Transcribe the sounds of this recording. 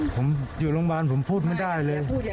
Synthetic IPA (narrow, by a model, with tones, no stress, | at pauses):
pʰo˩˦mt͡ɕi˨˩lo˧˥˦ŋwaː˧npʰo˩˦mpʰuː˥˩t̪̚ma˥˩jdaː˥˩jlɤː˧j